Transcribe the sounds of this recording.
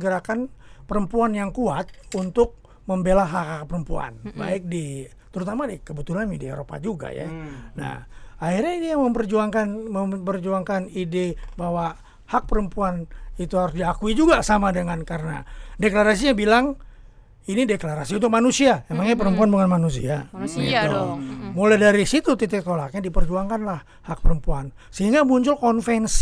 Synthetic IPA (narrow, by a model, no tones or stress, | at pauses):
ɡəɾakanpəɾəmpuanjaŋkuat̪̚unt̪ʊk̚ | məmbelaɦakakpəɾəmpua̰nba̰ɪk̚di | t̪əɾut̪amadikəbət̪ulanmidiḛɾopa̰d͡ʒuɡa̰ja̰na̰hahirɲaidejaŋməmpərd͡ʒuaŋkanməmpərd͡ʒuaŋkanidebaɦwa | hak̚pəɾəmpuanit̪uhaɾʊsdiakuid͡ʒuɡasamadəŋankaɾəna̰deklaɾas̬iɲabilaŋ | inideklaɾasiunt̪ʊk̚manusiamemaŋɲap̬əɾəmpuanbuŋanmanus̬ḭat̪umoladaɾisit̪ut̪it̪ɪk̚t̪olakɲadipərd͡ʒuaŋkanlah | hak̚pəɾəmpuan | səɦiŋɡamuɲt͡ʃʊlkɔnfɛns